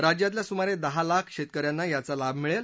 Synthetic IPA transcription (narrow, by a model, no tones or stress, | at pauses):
ɾad͡ʑjat̪̬ljasumaɾed̪əɦalakʰɕet̪̚kəɾjanːajat͡salabmiɭel